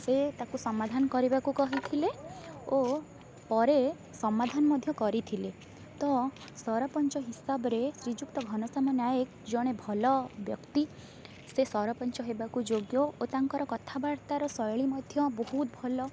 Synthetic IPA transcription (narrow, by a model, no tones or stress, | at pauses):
set̪akusɔmad̪ʱanɔkɔɾibakukɔɦit̪ʰileo | pɔɾe | sɔmad̪ʱanɔmɔd̪ʱjɔkɔɾit̪ʰile | t̪ɔ | sɔɾɔpɔnt͡ʃɔɦisabɔɾesɾid͡ʒuk̚t̪ɔɡʱɔñɔsɔmanajek | d͡ʒɔɽ̃ebʱɔlɔbjɔkt̪i | sesɔɾɔpɔnt͡ʃɔɦebakud͡ʒoɡjɔot̪aŋkɔɾɔkɔt̪ʰabaɾt̪aɾɔsɔjɭimɔd̪ʱjɔbɔɦut̪̚bʱɔlɔ